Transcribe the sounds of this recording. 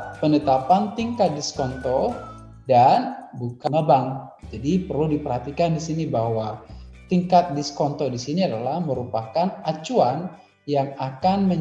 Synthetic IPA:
pənət̪apant̪iŋkat̪̚diskɔnt̪ɔ | danbukaŋəbaŋd͡ʒadipərludipərɦat̪ikandisinibaɦwat̪iŋkat̪̚diskɔnt̪ɔdisiniadalahməɾupakanat͡ʃuan | jaŋakanmə

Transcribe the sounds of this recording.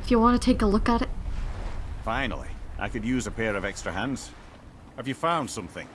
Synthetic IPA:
ɪfjɨwɑ̃nɨtʰeɪkəlʊkəɾɨt̚ | fãɪ̃nl̩ˠḭʔa̰ɪkɨdjʉzəpʰɛɹʌvɛkstɹ̥ɨɦæ̃ndz̥ | hɨvjɨfãʊ̃nd̥sʌ̃mθɪ̰̃ŋ

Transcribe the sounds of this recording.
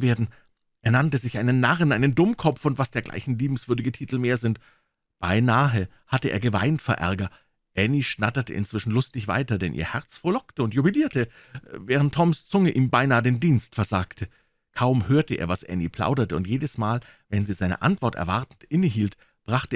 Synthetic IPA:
veːɐdn̩ | ʔeːɐnantəzɪçʔaɪnənːaʁənʔaɪnəndʊmkʰɔp͡fʊntv̥asd̥eːɐɡlʔa̰ɪçn̩liːbm̩sv̥ʏɐdɪɡətʰiːtl̩meːɐzɪnt | b̥aɪnaːɦə | hatəʔḛːɐɡəva̰ɪntfɛɐʔɛ̰ɐɡɐ | ʔɛniʃnatɐtə̰ʔɪ̰nt͡sv̥ɪʃn̩lʊstɪçv̥a̰ɪtɐdɛnʔḭːɐhɛɐt͡sfɔɐlɔktəʊntjubiliːɐtə | vɛːʁ̞ən̩tʰːɔmst͡sʊŋəʔiːmbaɪnaːədeːndiːnstfɛɐzaːktʰə | kʰaʊmhøːɐtəʔḛːɐvasʔɛ̰nipʰl̥a̰ʊdɐtəʊntjeːdəsmaːl | vɛnziːzaɪnə̰ʔa̰ntv̥ɔɐtɛ̰ɐvaɐtn̩tʔɪnəɦiːlt | b̥ʁaχtə

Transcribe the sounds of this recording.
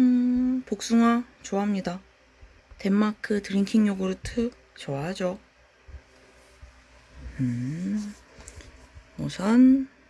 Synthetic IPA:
ɯpok̚s͈uŋwa | t͡ɕoaɦamɲida | te̞mːakʰɯtɯɾiŋkʰiŋɲoɡɯɾotʰɯ | t͡ɕʌwaɦad͡ʑo | ɯ | mosʰʌn

